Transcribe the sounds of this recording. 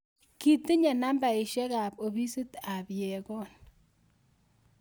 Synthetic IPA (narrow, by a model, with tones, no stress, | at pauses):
ki˨ti˦ɲɛ˨na˦mba˨ɪ˨ʃɛ˦ka˨po˨bi˦si˦ta˨pjɛ˨kɔ˦n